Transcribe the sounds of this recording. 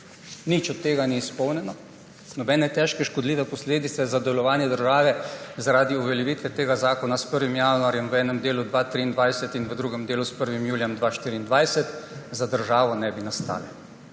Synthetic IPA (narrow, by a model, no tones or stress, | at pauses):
nit͡ʃɔt̪ːeːɡaniːspɔwnɛnɔ | nɔbɛːnɛt̪ɛʃkɛʃkɔd̪liːʋɛpɔsleːd̪it̪sɛzad̪ɛlɔʋaːnjɛd̪əɾʒaːʋɛzaɾaːd̪iuʋɛljɛʋiːt̪ʋɛt̪eːɡazaːkɔnaspəɾʋimjanuaːɾjɛmʋɛːnɛmd̪eːlud̪ʋaːt̪ɾiːnd̪ʋajsɛt̪inʋəd̪ɾuːɡɛmd̪eːluspəɾʋimjuːljɛmd̪ʋaːʃt̪iːɾiːnd̪ʋajsɛt̪zad̪əɾʒaːʋɔnɛbinast̪a̰ːlɛ